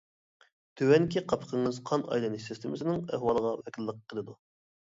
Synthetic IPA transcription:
t̪ʰøwɛnkʲʰiqʰɑpʰə̥qʰəŋɨzqʰɑnɑ̰jlˠɨnɨʃsɪst̪ɪmɪsɪnɪŋɛ̰hwɑlˠəʁɑwɛkʲʰilːəqʰːəlˠɨd̪u

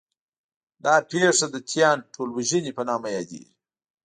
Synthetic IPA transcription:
d̪ɑpeʂad̪ət̪ʰjɑnʈʰolwaʒənipənɑmajɑd̪ḛɡi

